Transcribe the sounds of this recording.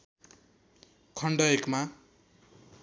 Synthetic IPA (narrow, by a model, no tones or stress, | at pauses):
kʰʌɳɖʌekma